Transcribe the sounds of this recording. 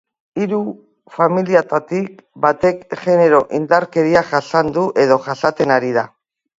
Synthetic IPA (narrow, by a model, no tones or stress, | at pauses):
iɾu | familiat̪at̪ikbat̪e̞kɣe̞ne̞ɾo̞ʔind̪aɾke̞ɾiaʝasand̪uʔe̞ð̞o̞ʝasat̪e̞naɾiða